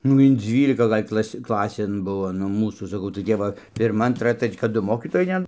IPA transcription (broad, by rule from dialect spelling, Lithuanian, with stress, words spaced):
nʊ ɪn ˈd͡zʲʋʲiːlʲɪkɐ ˈɡɐlʲ ˈklˠɐsʲ ˈklˠɑːsʲeːn ˈbʊʋoː nʊ ˈmuːsuː sɐˈkɐʊ tɐɪ ˈtʲɛp ʋɐ pʲɪrˈmɐ ɐnˈtrɐ ˈtʲrʲɛt͡ʃʲ kɐt ˈdʊ ˈmoːkʲiːtoːjɛɪ ˈtʲɛn